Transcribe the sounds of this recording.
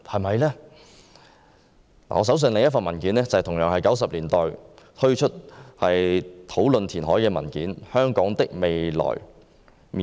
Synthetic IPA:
hɐ˨˩mɐ˨jlɛː˥ | la̰ː˨ŋɔː˨˧s̬ws̬ɵ˧nlɪ˨ŋjɐ˥t̚fɐ˨˧nmɐ˨˩nkiː˨˥nɛː˥t͡sɐ˨t̪ʰʊ˨˩ŋjœː˨ŋhɐ˨jkɐ˨˥wsɐ˨p̚liː˨˩nt̪ɔː˨jt̪ʰɵ˥ɥt͡ʃʰɵ˥t̚hɐ˨jt̪ʰo˨˥wlɵ˨nt̪ʰiː˨˩nɦɔː˨˥jkɛː˧mɐ̰˨˩nkiː˨˥nhœː˥ŋkɔː˨˥ŋt̪ɪ˥k̚me˨jlɔ̰ː˨˩j | mi˨

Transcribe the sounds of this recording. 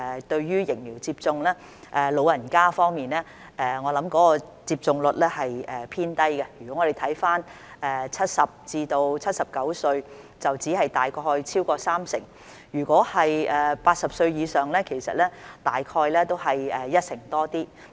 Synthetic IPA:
ɛ˨˩t̪ɵ˧ɥjyː˥jɪ˨˩ŋmiː˨˩wt͡siː˧p̚t͡sʊ˧ŋlɛː˥ | ʔɛː˨˩lo˨˧wjɐ˨˩nkaː˥fɔː˥ŋmiː˨nlɛː˥ | ʔɛː˨˧ŋɔː˨˧lɐ˨˥mkɔː˨˥kɔː˧t͡siː˧p̚t͡sʊ˨˧ŋlɵ˨t̚lɛː˥hɐ˨jɛː˨˩pʰiː˥nt̪ɐ˥jkɛ˧jy˨˩kɔ˨˥ŋɔ˨˧ɾe˨jt̪ʰɐ˨˥jfaː˥n | ɛː˨˧t͡sʰɐ˥t̚sɐ˨p̚t͡siː˧t̪o˧wt͡sʰɐ˥t̚sɐ˨p̚kɐ˨˥wsɵ˧ɥ | t͡sɐ˨wt͡siː˨˥hɐ˨jt̪aː˨jkʰɔː˧jt͡sʰiː˥wkɔː˧saː˥msɪ̰˨˩ŋ | jyː˨˩kʷɔː˨˥hɐ˨jɛː˨paː˧t̚sɐ˨p̚sɵ˧ɥjiː˨˧sœː˨ŋlɛː˥kʰe˨˩jsɐ˨t̚lɛː˥t̪aː˨jkʰɔː˧jlɛː˥t̪o˥wɦɐ˨jɛː˨˩jɐ˥t̚sɪ˨˩ŋt̪ɔː˥t̪iː˥

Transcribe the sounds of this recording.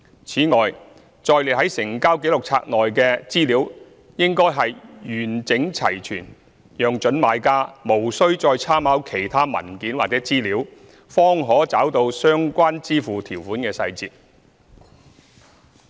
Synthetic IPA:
t͡sʰiː˨˥ŋɔː˨j | t͡sɔː˧jle˨˩ɦɐ˨˥jsɪ˨˩ŋkaː˥wke˨˥jlʊ˨˩k̚t͡sʰa̰ː˧k̚lɔː˨jkɛː˧t͡siː˥liː˨˥w | jɪ˥ŋkɔː˥jɦɐ˨jjyː˨˩nt͡sɪ˨˥ŋt͡sʰɐ˨˩jt͡ʃʰyː˨˩n | jœː˨ŋt͡ʃɵ˨˥nmaː˨˥jkaː˥mo˨˩wsɵ˥ɥt͡sɔː˧jt͡sʰaː˥mhaː˨˥wkʰe˨˩jt̪ʰaː˥mɐ̰˨˩nkiː˨˥nwaː˨k̚t͡sɛː˨˥t͡siː˥liː˨˥w | fɔː˥ŋɦɔː˨˥t͡saː˨˥wt̪o˧wsœː˥ŋkʷaː˥nt͡siː˥fuː˨t̪ʰiː˨˩wfuː˨˥nkɛː˧sɐ̰˧jt͡siː˨˧t̚

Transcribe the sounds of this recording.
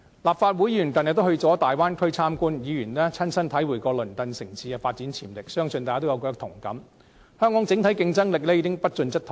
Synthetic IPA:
laː˨p̚faː˧t̚wu˨˥ji˧y˨˩t̪ɐ˨n̚˨t̪o˥whɵ˧ɥt͡sɔː˨˥t̪aː˨jwaː˥nkʰɵ˥ɥt͡sʰaː˥mkuː˥njiː˨˧jyː˨˩nlɛː˥t͡sʰɐ˥nsɐ˥nt̪ʰɐ˨˥jwu˨˩jkɔː˧lɵ˨˩nt̪ɐ˨nsɪ˨˩ŋsʰiː˨˧kɛː˧faː˧t̚t͡siː˨˥nt͡sʰiː˨˩mlɪ˨k̚sœː˥ŋsɵ˧nt̪aː˨kaː˨˧t̪wjwkɔː˧˥t̪ʰʊ˨˩ŋkɐ˨˥m | hœː˥ŋkɔ˨˥ŋt͡sɪ˨˥ŋt̪ʰɐ˨˥jkɪ˧ŋt͡sɐ˥ŋlɪ˨k̚lɛ˥jiː˨˧kɪ˥ŋpɐ˥t̚t͡ʃɵ˧nt͡sɐ˥t̚t̪ʰ

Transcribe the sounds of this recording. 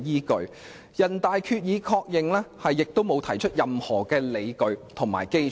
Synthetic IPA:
jiː˥kɵ˧ɥ | jɐ˨˩nt̪aː˨jkʰyː˧t̚jiː˨˧kʰɔː˧k̚jɪ˨ŋlɛː˥hɐ˨jːɪ˨k̚t̪o˥wmo˨˧wt̪ʰɐ˨˩jt͡ʃʰɵ˥t̚jɐ˨mhɔː˨˩kɛː˧le˨˧jkɵ˨˧ɥt̪ʰʊ˨˩ŋma̰ː˨˩jke˥j

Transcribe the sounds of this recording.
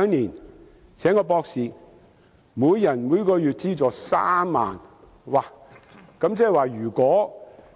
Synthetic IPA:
ŋniː˨˩n | sʰɛː˨˥ŋkɔː˧pɔː˧k̚siː˨ | muː˨˧jjɐ˨˩nmuː˨˧˥kɔː˨˧jyː˨t̚t͡siː˥t͡sɔː˨sa̰ː˥mːa̰ː˨n | waː˨˩ | kɐ˨˥mt͡sɛː˥˨waː˨˩jyː˨˩kʷɔː˨˥

